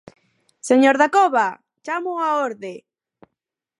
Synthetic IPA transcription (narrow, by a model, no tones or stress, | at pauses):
seɲoɾðakoβa | t͡ʃamʊaoɾðe